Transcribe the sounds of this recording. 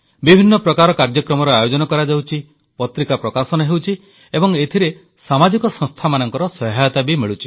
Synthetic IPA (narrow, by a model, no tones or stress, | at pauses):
bibʱinːɔpɾɔkaɾɔkaɾd͡ʒɔkɾɔmɔɾɔajod͡ʒɔnɔkɔɾad͡ʒawt͡ʃʰi | pɔt̪ɾikapɾɔkasɔnɔɦewt͡ʃʰi | ebɔŋet̪ʰiɾe | samad͡ʒikɔsɔ̃ŋst̪ʰamanɔŋkɔɾɔsɔɦajɔt̪abimiɭut͡ʃʰi̥